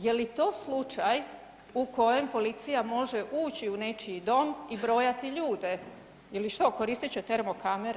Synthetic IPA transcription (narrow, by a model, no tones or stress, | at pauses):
je̞lit̪o̞ːslˠut͡ʃaj | uko̞je̞mpo̞lit̪sijamo̞ʒe̞ʔuːt͡ɕiune̞t͡ʃid̪o̞mibɾo̞ːjat̪iʎuːd̪e̞ | jeliʃt̪oko̞ɾiːst̪it͡ɕet̪e̞ɾmokameɾ